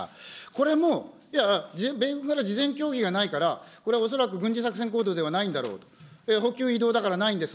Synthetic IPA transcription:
ko̞ɾe̞mo̞ | ijad͡ʑbeɡɯ̟ɡaɾad͡ʑizẽ̞ŋkʲo̞ːɡʲiɡanaikaɾako̞ɾe̞βaos̬o̞ɾakɯ̟ɡɯ̟̃ɲ̟d͡ʑisakɯ̟s̬e̞ŋko̞ːd̪o̞ːd̪e̞β̞anaĩnd̪aɾo̞̰ːt̪o̥eɦo̞kʲɨːid̪o̞ːd̪akaɾanaĩnd̪e̞sɨ

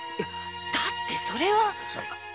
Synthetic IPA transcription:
d̪̥at̪ːe̞so̞ɾe̞βaso̰

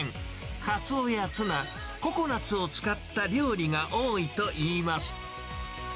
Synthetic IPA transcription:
ŋ | kat͡sɨojat͡sɨna | ko̞ko̞nat͡sɨo̞t͡sɨ̥kat̪ːaɾʲɯːɾʲiŋaʔo̞ːit̪o̞ʔiːmasɨ̥

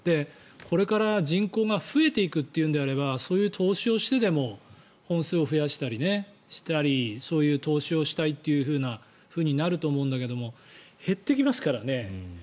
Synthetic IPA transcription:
d̪̥e̞ | kʰo̞ɾe̞kaɾaʑĩŋko̞ːɡaɸɯ̟e̞t̪e̞ikɯ̟t̪ːe̞jɯ̟nd̪e̞aɾe̞βaso̞ːjɯ̟ːt̪ʰo̞ːɕio̞ɕi̥t̪e̞d̪e̞mo̞ | hõ̞ɰ̃sɨːo̞ɸɯ̟jaɕi̥t̪aɾʲine̞ | ɕi̥t̪aɾʲiso̞ːjɯ̟ːt̪o̞ːɕio̞ɕi̥t̪ait̪ːe̞jɯ̟ɸɯ̟ːna | ɸɯ̟ːɲ̟inaɾɯ̟t̪o̞ːmo̞ɯ̃nd̪ake̞d̪o̞mo̞ | he̞t̪ːe̞kʲimasɨ̥kaɾane̞

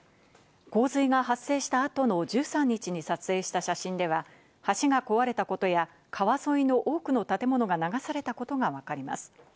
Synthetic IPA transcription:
ko̞ːzɨiɡaɦasːe̞ːɕi̥t̪aːt̪o̞no̞ʑɨːsãɲ̟ːit͡ɕiɲ̟isat͡sɨe̞ːɕi̥t̪aɕaɕĩnd̪e̞βa | haɕiɡako̞βaɾe̞t̪ako̞t̪o̞ja | kʰaβaso̞ino̞ʔo̞ːkɯ̟no̞t̪at̪e̞mo̞no̞ɡanaɡasaɾe̞t̪ako̞t̪o̞ɡaβakaɾʲima̰sɨ̥

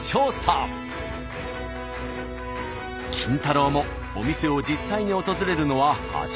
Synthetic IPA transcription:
t͡ɕoːsã | kʲʰĩnt̪aɾomo̞ | omʲise̞o̞d͡ʑisːaiɲ̟io̞t̪o̞zɨɾe̞ɾɯ̟no̞βaha̰

